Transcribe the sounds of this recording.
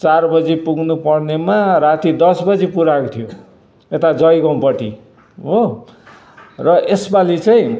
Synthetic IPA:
t͡sarbʌd͡zipuɡnupʌrnemaɾat̪id̪ʌsbʌd͡zipuɾakt̪ʰijo | et̪ad͡zʌjɡʌ̃w̃pʌʈḭ | ɦo | rʌʔesbalit͡saĩ

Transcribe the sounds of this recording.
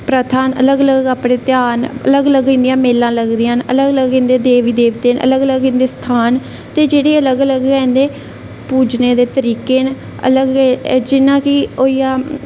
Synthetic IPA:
pɾət̪ʰaːnələɡələɡaːpɽeːt̪jaːnə̰ləɡələɡɪ̃ːnd̪ijãːmeːlãːləɡd̪iːaːnələɡələɡɪ̃nd̪eːd̪eːʋiːd̪eːʋt̪eːnʔə̰ləɡələɡɪ̃nd̪eːst̪ʰaːn | t̪eːd͡ʒeːɽeːələɡələɡɛ̃nd̪eː | puːd͡ʒneːd̪eːt̪əɾiːkeːn | ə̰ləɡd͡ʒɪnãːkɪoːiːaː

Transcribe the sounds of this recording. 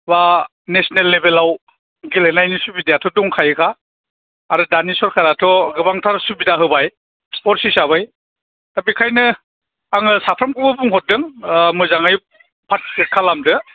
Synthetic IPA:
ba | nesɔnelːebelaw | ɡilenajnisubidejatʰɔduŋkʰajɯkʰaː | ɾɯdanisɔɾkʰaɾatʰɔɡɯbaŋtʰaɾsubidaɦɯbaj | ɔɾsisaβaj | tabikʰajnɯ | aŋɯsapʰɾɐmkʰɯbɯbuŋɦɔt̚dɯŋmɯzaŋaj | pʰat̚ekʰalamdɯ

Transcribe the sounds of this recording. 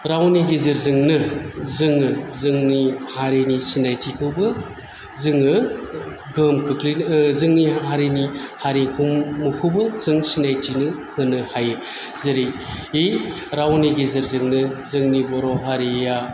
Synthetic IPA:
ɾawniɡezɯɾzɯŋnɯzɯŋɯzɯŋnihaɾenisinajtʰikʰɯwbɯ | zɯŋɯ | ɡɯmkʰɯkʰlizɯŋniɦaɾinihaɾikʰumːukʰɯwbɯzɯŋsinajtʰinɯhɯnɯhajɯ | zɯɾij | ej | ɾawniɡezɯɾzɯŋnɯzɯŋnibɔɾɔɦaɾija

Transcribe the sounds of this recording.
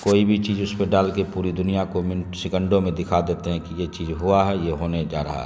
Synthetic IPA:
koːibʱit͡ʃiːd͡ʒʊspeɖaːlkepuːɾid̪ʊnijakomɪnsɪkə̃ɳɖõmẽd̪ɪkʰad̪eːt̪eɦɛ̃kijet͡ʃiːzɦuaɦɛjeɦoːned͡ʒa̰ːɾɐ̰ɦa̰ɦ

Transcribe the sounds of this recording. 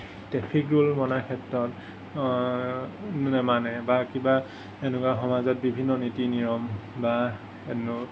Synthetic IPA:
tɛpʰikɹulmɔnakʰɛtɹɔt | ɛmanɛbakiba | enukwaxɔmazɔt̚bibʱinːɔnitiniɹɔmba | enu

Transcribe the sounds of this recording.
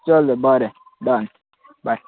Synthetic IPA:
t͡ʃɔlebɔɾɛ | dɔn | ba

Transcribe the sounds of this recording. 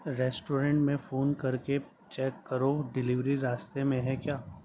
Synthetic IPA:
ɾɛːsʈoːɾẽɳʈmẽfoːnkɐɾke | t͡ʃɛːkːɐɾoɖɪlɪʋɾiɾaːst̪emẽɦɛkjaː

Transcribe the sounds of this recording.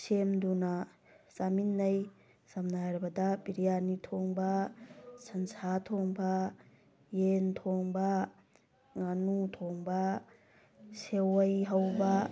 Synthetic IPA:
semdunɐ | saminːɐj | samnajɾbɐdɐbiɾijanitʰoŋbɐsɐnsatʰoŋba | jentʰoŋbɐ | ŋanutʰoŋbɐ | sewɐjɦawbɐ

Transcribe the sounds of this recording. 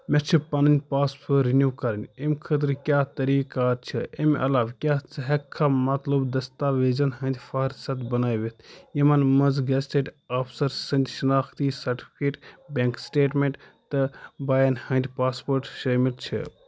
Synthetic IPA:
meɾt͡ʃʰipɐnɨnʲd̪ʲpaːspʰoɾinjuːkɐɾɐnʲemkʰɐt̪̬ɾkʲjaːt̪ɐɾiːkaːɾt͡ʃʰiḛmɐ̰laːʋkʲjaːt͡sɨɦɐkʰːamɐt̪lubd̪ɐst̪aːʋeːzɐnɦɐ̃nd̪ʲfɐɾsɐt̪bɐnaːjʋet̪ʰjimɐnmɐnzɡɐsʈeːʈ | aːfʰsɐɾsɐnd̪ʲʃɐnaːxt̪isɐɾʈi̥fʰʲkeːʈbeŋksʈeːʈmẽɳʈ | t̪ɨbaːjɐnhɐ̃nd̪ʲpaːspoːɾʈʃɐːmilt͡ʃʰḭ

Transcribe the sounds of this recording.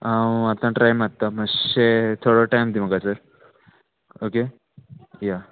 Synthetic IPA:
aat̪ãʈɾajmat̪ːaməɕet̪ʰoɽoʈajmd̪im̤əɡasəɾ | oke | ja

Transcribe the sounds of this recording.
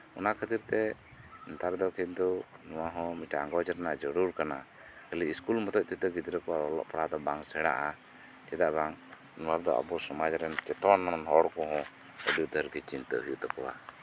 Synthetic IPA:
ɔnakʰət̪iɾt̪ɛ | ɛnt̪aɾd̪ɔkint̪unɔwaɦɔ̃miʈaaŋɡɔd͡ʒɛɾnad͡ʒəɽuɾkana | kəliiskulmɔt̪ɔʔ̚t̪it̪ɔɡit̪ɾəkɔwaɾɔlɔ̰ʔpaɽad̪ɔbaŋsɛɽa̰ʔa | t͡ʃɛd̪aʔbaŋ | nɔwaɾd̪ɔʔa̰bɔsɔmad͡ʒɾɛnt͡ʃɛt̪ɔnːɔmanɦɔɽkɔɦɔ̃ | əɖijut̪əɾɡit͡ʃint̪əɦujut̪ɔkɔwa̰

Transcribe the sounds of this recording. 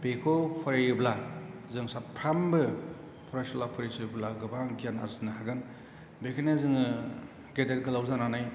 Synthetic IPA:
bekʰɔpʰɔɾajɯblazɯŋsappʰɾambɯ | pʰɔɾasɔlapʰɯɾisɯblaɡɯbaŋɡijana̰zɯnɯhaɡɯn | bekʰanezɯŋɯ | ɡedet̚ɡɯlawzananaj

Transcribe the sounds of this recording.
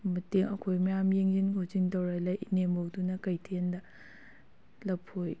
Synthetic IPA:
mɐteŋɐkʰojmɐjamjeŋzinkʰot͡ʃiŋtɐwɾalɐjinembowdunɐkɐjtʰendɐ | lɐpʰoj

